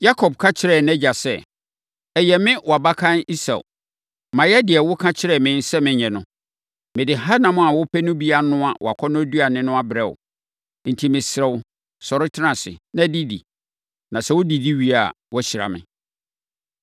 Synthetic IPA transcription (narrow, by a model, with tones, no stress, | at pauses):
ja˦kʰɔ˨b̚kʰã˦t͡ɕʰɪ˦ɾɛ˦˨nɛ˦d͡ʑa˨sɛ˦ | ɛ˨jɛ˨mɪ̃˦wɔ˨a˨ba˦kʰã˦ni˦sa̰˨ | mã˨jɛ˦dɪ˨ɛ˨wʊ˦kʰã˦t͡ɕʰɪ˦ɾɛ˦˨mɪ̃˨˦n̩˦sɛ˦mɪ̃˨ɲɛ̃˨nʊ̃˦ | mɪ̃˨dɪ˨ɦa˦nã˨mʊ̃˦a˨wʊ˦pʰɛ˦nʊ̃˦bi˦a˨nʊ̃˦a˨wɔ̰˨a˨kʷʰɔ˦nʊ̃˦du˦a˨nɪ̃˦nʊ̃˦a˨bɾɛ˦˨wʊ̰˨ | n̩˨tʰi˨mɪ̃˨sɾɛ˨w | sɔ˨ɾɪ˦tʰɪ˦nã˨sɪ̰˨nã˦di˦dḭ˨ | nã˨sɛ˦wʊ˦di˨di˦ɥi˦a˨ | wɔ˦ɕɪ˨ɾa̰˨mɪ̰̃˨